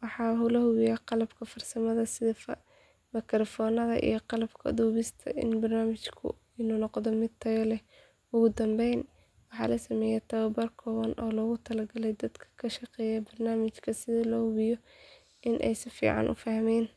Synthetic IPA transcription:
wɑħɑːɦʊlɐhʊβɪjaqɑlɐbkʰɐfɐrsɐmɐðɐsɪðfɐ | mɪkʰɾɔfɔːnɐðɐ̰ʔḭjɞqɑlɐbkʰɐ̰d̪uːβɪst̪ʰɐ̰ʔɪ̰nbɐrnaːmɪt͡ʃkʰʊ̰ | ɪnunɔqd̪ɔmɪd̪̚t̪ʰɐjɔlɛ | ʊɣʊd̪ɐmbɛjn | wɑħɑ̰ːlɐsɐmɛːjɛt̪ʰɐwɐbɐrkʰɔːβɐnʔɔːlɔːɣʊt̪ʰɐlɐɡɐlɛjd̪ɐd̪kʰɐ̥kʰɐʃɐqɛːjɛbɐrnaːmɪt͡ʃkʰɐsɪðɪlɔːhʊβɪjɔ | ʔɪnʔɛ̰jsɪfḭːʕɑ̰nʔʊ̰fɐhmɛːn

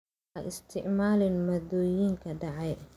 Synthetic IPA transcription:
aʔɪst̪ʰɪʕmaːlɪnmɔd̪ɔːjiːŋkʰɐɖɑʕɛj

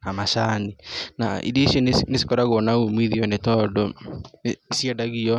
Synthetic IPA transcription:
namaʃaninaḭdiʃinnesi̥kɔɾaɣɔnaumiðiɔnɛtɔdɔ | isjɛdaɣiɔ

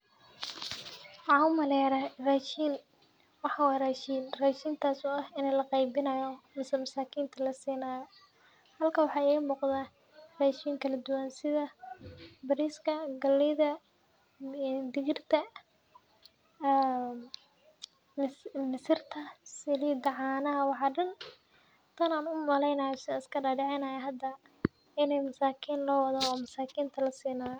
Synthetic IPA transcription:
ʕɑwmɐlɛːɾɐraːʃiːn | wɑħɑːwaːraːʃiːnraːʃiːnt̪ʰaːsʊːɐhɪnɛlɐqɑjbɪnɐjɔmɐsɐmɐsaːkʰiːnt̪ʰɐlɐsiːnaːjɔ | hɐlkʰɐːwɑħɑːɪːɣɐmuːqðaː | raːʃiːŋkʰɐlɐd̪ʊwaːnsɪðɐ | bɐɾiːskʰɐɡɐlːɪðɐ | d̪ɪɣɪrt̪ʰɐ | mɪsɪrt̪ʰɐsɪliːd̪ɐʕɑːnɐɦɐwɑħɑːɖɐn | t̪ʰɐnaːnʊmɐlɛjnɐːjɔsɪɪskʰɐɖaːɖɛʕɛnɐːjɐɦɐd̪ɐ | ɪnɛjmɐsaːkʰiːnlɔːwɐðaːmɐsaːkʰiːnt̪ʰɐlɐsiːnaː

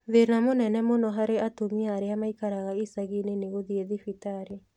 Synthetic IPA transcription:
ðenamonɛnɛmonɔɦaɾeatomiaːɾeamaikaɾaɣaisaɣineneɣoðieðifitaɾe

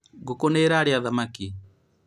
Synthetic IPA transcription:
ɡokonɛɾaɾjaðamaki

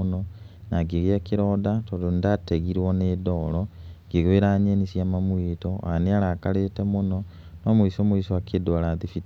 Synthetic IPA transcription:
no | naɡiɣiakiɾodatodondateɣiɾwonedoloŋɡiɣeɾaɲenisjamamwitoa̰neaɾakaletemuno | nomuisomuiswakidwolaðifit

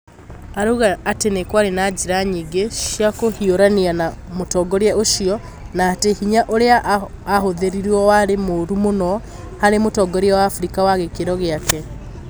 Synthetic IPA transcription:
aɾuɣaːtenekwaɾenad͡ʑiɾaɲiːɡeʃjakohioɾanianamotɔɡɔɾɛʔoʃiɔ | naːtehiɲaʔoɾeaʔː | hoðeɾiɾuɔwaɾemoɾumonɔ | haɾemotɔɡɔɾeɛwaːfɾikawaɣekeɾɔɣeakɛ

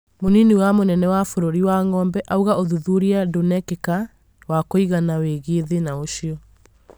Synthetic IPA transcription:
moniniwamonɛnɛwafoɾoɾiwaŋɔːmbɛʔauɣaoðuðuɾiadonɛkeka | wakoiɣanaweɣeːðenaoʃiɔ

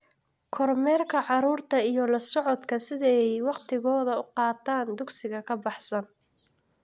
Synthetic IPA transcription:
kʰɔrmɛːrkʰɐʕɑɾuːrt̪ʰɐijɔlɐsɔʕɔd̪kʰɐsɪðɛjwɑqt̪ʰɪɣɔːðɐʊqɑːt̪ʰaːnd̪ʊɡsɪɣɐkʰɐbɑħsɐn

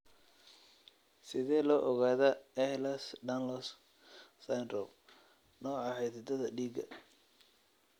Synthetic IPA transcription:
sɪðɛːlɔːʔɔɣaːðɐɛhlɐsɖɐnlɔs | sajnrɔw | nɔːʕɑhɛjt̪d̪ɐðɐɖiːɡɐ̰

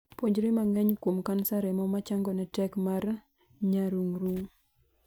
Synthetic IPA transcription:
pwoɲd͡ʒɾimaŋɛɲkwomkansaɾɛmɔmat͡ʃaŋɡɔnɛtɛkmar | ɲaɾuŋɾuŋ

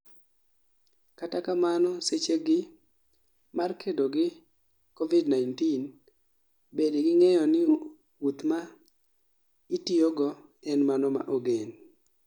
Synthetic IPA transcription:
katakamanɔset͡ʃeɡɪ | markedoɡɪ | kovidnaɪntin | bedɪɡɪŋɛjɔnɪ | wut̪ma | itioɡɔ | ɛnmanɔma̰ʔoɡen

